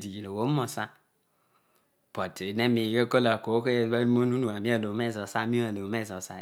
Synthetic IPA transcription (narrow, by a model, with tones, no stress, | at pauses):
di˨ɡi˨lo˨wo˦mɔ˨sa˦ | pɔ˨te˨ne˦mi˨ɡe˦ko˦la˨ko˨˦ke˦˨˦ba˦mo˦nu˦nu˨a˨mi˦a˦˨lo˨mɛ˦˨zɔ˨sa˦mi˦a˨lo˨mɛ˦˨zɔ˨sa˦